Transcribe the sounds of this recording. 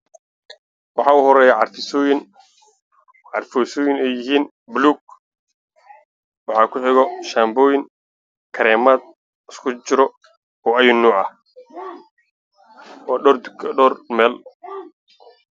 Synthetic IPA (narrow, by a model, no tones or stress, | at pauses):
wɑħɑːʊhɔɾɛːjaʕɑrfɪsɔːjɪn | ʕɑ̰rfɔːsɔːjɪnɛjɪɦiːn | bluːɡ̚ | wɑħɑːkʰʊħɪɣɔʃaːmbɔːjɪŋ | kʰɐɾɛːmaːd̪ | ɪskʰʊt͡ʃɪɾɔ | ɔːɐjʊnːuːʕɐh | ɔːɔɔrmɛːl